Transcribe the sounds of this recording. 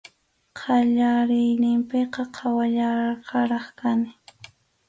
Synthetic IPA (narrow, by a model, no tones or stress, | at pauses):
qʰɑʎaɾɪjnɪmpɪqɑqʰɑwaʎaqɑɾɑχkanɪ